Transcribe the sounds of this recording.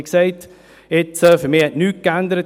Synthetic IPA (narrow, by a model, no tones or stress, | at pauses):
ksɛɪt | ɪt͡səfəɾmiːhɛntnyːt̚kændəɾət